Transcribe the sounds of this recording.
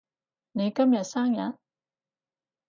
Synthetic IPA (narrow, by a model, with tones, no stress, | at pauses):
ne˨˧˦kɐ˥mja˨˩tsa˥ŋja̰˨˥n